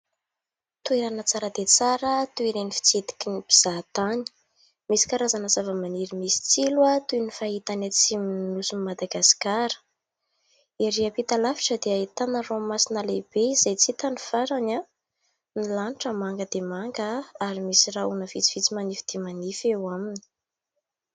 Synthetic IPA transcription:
t̪ueɾanət͡saɾəd̪et͡saɾət̪ueɾenifi̥t͡sid̪i̥kinib̥iz̥at̪ani̥ | misi̥kaɾazanəzavəmaniɾimisi̥t͡silwat̪unifaɦit̪anat͡siminnusunimad̪aɡasi̥kaɾə̥ | eɾiəpit̪alafi̥ʈ͡ʂəd̪eait̪anəromasinəleb̥eizejt͡sit̪aniv̥aɾaɲa | nilanʈ͡ʂəmaŋɡəd̪̥emaŋɡəaɾimisiraunəv̥it͡si̥v̥it͡simanifid̪̥emanifewamini̥

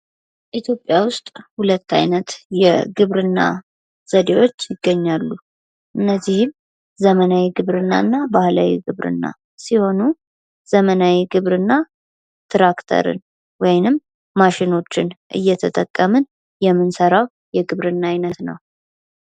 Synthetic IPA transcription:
ʔit̪ʰjo̞pʼːjawʊst̪ʼhulət̪ːa̰jnət̪jɛɡɨβɾɨnːa̰ | z̥əd̪e̞wo̞t͡ʃːjɪɡːəɲːalːu | ʔɨnːəzːihɨm | zəmənawiɡɨβɾɨnːa̰nːabahlawḭɡɨβɾɨ̰nːa̰ | siho̞nu | z̥əmənawiɡɨβɾɨnːa | t̪ʰɾakt̪ʰə̰ɾɨ̰n | wɔjnɨmː | aʃɪno̞t͡ʃːɪnʔɨ̰jːɛt̪ʰət̪ʼəkʼːəmɨn | jɛmːɨnsəɾaw | jɛɡɨβɾɨnːajnət̪nə̰w

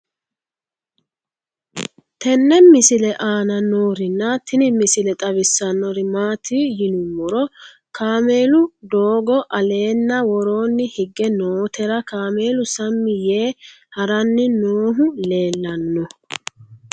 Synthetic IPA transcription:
t̪ɛnːɛmɪsɪlɛʔaːnɐnoːɾɪnːɐt̪ʰɪnɪmɪsɪlɛt̪ʼɐβɪsːɐnːɔɾɪmaːt̪ʰijɪnʊwɔɾɔ | kʰaːme̞ːlʊd̪oːɡɔʔɐle̞ːnːɐwɔɾo̞ːnːɪhɪɡːɛnoːt̪ɛɾɐkaːme̞ːlʊsɐmːɪjeː | hɐɾɐnːɪnoːɦʊle̞ːlːɐnːɔ

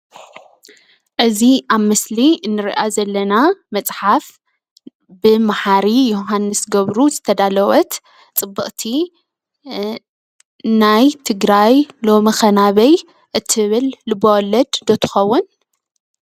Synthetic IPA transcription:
ʔɨziʔaβmɨsliɨnːɨɾḭʔazɐlːɐnamɐt͡sʼħaf | bɨmaħaɾijoɦanːɨsɡɐβɾuzɨt̪ʰɐd̪alɐwɐt̪ | t͡sʼɨbːɨʔʼt̪ʰi | najt̪ʰɨɡɾajlo̞mixɐnaβɐj | ʔɨt̪ʰːɨβɨlːɨbowlːɐd̪d̪ot̪ʰɨ̥xɐwːʊn

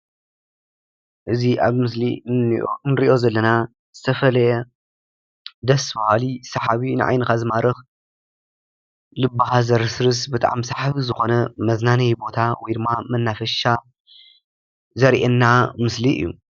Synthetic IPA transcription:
ʔɨziʔaβmɨsli | nɨɾiʔo̞zɐlːɐna | z̥ɨt̪ʰɐfɐlɐjɛ | d̪ɐsbɐhalisɐħaβinɨʕa̰jnɨkazɨmaɾɐx | lɨbːaɦazɐɾɨsɾɨsbɨt̪ʰʼa̰ʕamsɐħaβizɨxo̞nɐmɐznanɐjbo̞t̪ʰawɔjd̪ɨmːamɐnːafɐʃa | zɐɾʔenːamɨsliʔɨ̰jːṵ

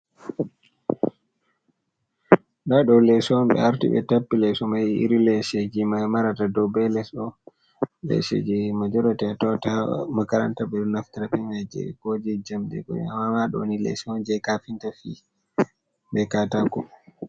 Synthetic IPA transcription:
ɗaɗɔlɛsɔnɓɛ̰aɾtḭɓɛ̰tapːilɛsɔmajḭɾilɛsed͡ʒimamaɾatadɔbɛlɛsɔ | lɛ̰sḛd͡ʒimad͡ʒɔɾatɛatɔtamakaɾantaɓɛɗɔnaftiɾapɛmad͡ʒɛ̰ɡod͡ʒid͡ʒamɗɛ̰ɡɔ̰a̰mamaɗɔ̰nilɛ̰sɔnd͡ʒɛjkafintafi | ɓɛkataɡɔ

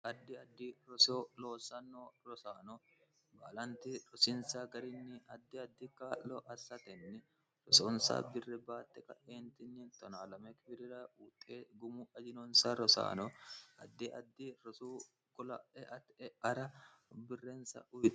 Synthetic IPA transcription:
ʔɐd̪ːɪɐd̪ːɪɾɔsoːlo̞ːsːɐnːoːɾɔsaːnɔ | baːlɐnt̪ɪɾɔsɪnsɐɡɐɾɪnːɪɐd̪ːɪɐd̪ːɪkːaːlːɔʔɐsːɐt̪ɛnːɪ | ɾɔsɔnsa̰ːbɪrːɛbaːt̪ːɛkɐ̰ʔeːnt̪ɪnːɪt̪ːɔnaːlɐmɛkɪbɪɾɪɾɐuːt̪ʼːeːɡʊmʊɐd͡ʒɪnɔnsɐɾɔsa̰ːnɔɐd̪ːɪʔɐ̰d̪ːɪɾɔsuː | kʊlɐ̰ʔɛʔɐt̪ɛɐɾɐ | bɪrːɛnsɐ̰ʔʊjt̪

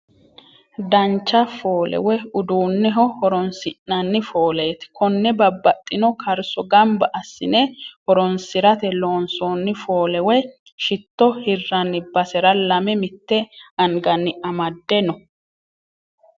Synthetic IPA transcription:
d̪ɐnt͡ʃːɐfoːlɛ̰wɛʊd̪uːnːɛɦɔhɔɾɔnsɪʔːɐnːɪfo̞ːle̞ːt̪kɔnːɛbɐbːɐt̪ʼːɪnɔkʰɐɾsɔɡɐmbɐʔɐsːɪnɛhɔɾɔnsɪɾɐt̪ɛlo̞ːnsoːnːɪfo̞ːlɛwɛ | ʃɪt̪ːɔhɪrːɐnːɪbɐsɛɾɐlɐmɛmɪt̪ːɛɐŋɡɐnːɪɐmɐd̪ːɛnɔ

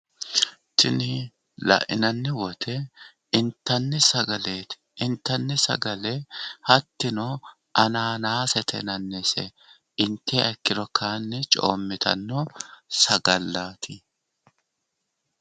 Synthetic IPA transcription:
t̪ɪnɪ | lɐ̰ʔɪnɐnːɪwɔt̪ʰɛ | ɪnt̪ːɐnːɪsɐɡɐleːt̪ɪ̥ʔɪnt̪ːɐnːɪsɐ̰ɡɐlɛhɐt̪ːɪno | ʔɐnaːnaːsɛt̪ʰɛ̰nɐnːɛsɛ̰ | ɪnt̪ʰːeɐkːɪɾɔkʰaːnːɪt͡ʃʼo̰ːmːɪt̪ʰɐ̰nːɔsɐɡɐlːaːt̪ʰɪ

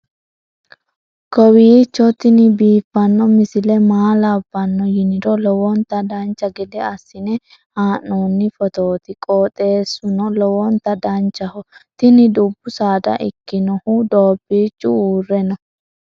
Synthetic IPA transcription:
kɔwiːt͡ʃːɔt̪ɪnɪbiːfːɐnːɔmɪsɪlɛmaːlɐbːɐnːɔjɪnɪd̪ɔlɔwɔnt̪ɐd̪ɐnt͡ʃːɐɡɛd̪ɛɐsːɪnɛ | haːnːoːnːɪfɔt̪o̞ːt̪ɪkʼoːt̪ʼe̞ːsːʊnɔlɔwɔnt̪ɐd̪ɐnt͡ʃːɐhɔt̪ɪnɪd̪ʊbːʊsaːd̪ɐ̰ʔɪ̰kːɪnɔhʊd̪oːbːiːt͡ʃːʊuːrːɛnɔ

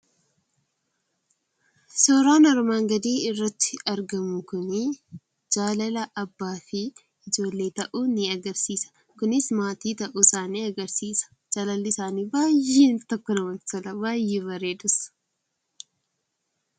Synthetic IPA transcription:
sɔːɾaːnɐɾmaːŋɡɐd̪iːɪrːɐt̪ːɪ̥ɐɾɡɐmʊkʊnɪ | d͡ʒaːlɐlɐʔɐbːaːfɪ | ɪd͡ʒo̞ːlːe̞ːt̪ɐʔuːnɪɐɡɐɾsiːsɐ̥ | kʊnɪsmaːt̪iːt̪ɐʔusaːniːɐɡɐɾsiːsɐ̥ | d͡ʒaːlɐlɪsaːniːbaːjːiːnt̪ɔkːɔnɐwɐnsɐlɐbaːjːeːbɐɾeːd̪ʊsɐ̥

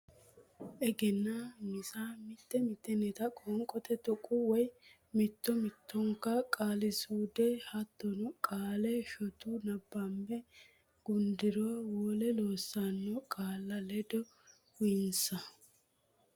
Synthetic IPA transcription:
ʔɛɡɛnːamɪsaːmɪt̪ːɛmɪt̪ːɛnɛt̪ɐkʼɔŋkʼɔt̪ɛt̪ɔkʼːʊwɔj | mɪt̪ːɔmɪt̪ːɔŋkːɐkʼaːlɪsuːd̪ɛhɐt̪ːɔnʊkʼaːlɛʃɔt̪unɐbːɐmbɛ | ɡ̥ʊnd̪ɪɾoːwɔːlɛloːsːanːɔkʼaːlːɐlɛd̪ɔ | wʊjɪnsɐ

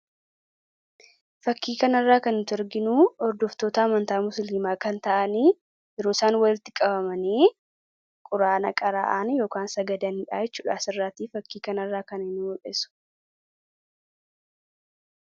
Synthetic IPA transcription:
fɐkːiːkɐnɐrːaːkɐnnt̪ʊɐɾɡɪnuːɔɾd̪ɔft̪oːt̪ɐɐmɐnt̪aːmʊsliːmaːkɐnt̪ɐʔɐniː | ɪɾoːsaːnwɐlɪt̪ːɪkʼɐbɐmɐniː | kʼʊɾaːnɐkʼɐɾa̰ːʔaːnjo̞ːkaːnsɐɡɐd̪ɐnɪᶑaːjɛt͡ʃːuːᶑaːsɪrːaːt̪iːfɐkːiːkɐnɐrːaːkɐnɪnːʊɔᶑʼɛsʊ̥

